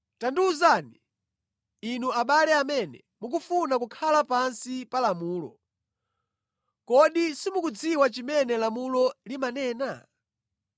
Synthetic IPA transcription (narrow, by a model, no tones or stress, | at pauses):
tanduzaːniː | nuaɓalɛamɛnɛ̰ | muk̬ufunakukʰalapansipalamuːlɔ̰ | kɔɗisimukud͡ziwat͡ʃimɛnɛlamulɔlimanɛːna̰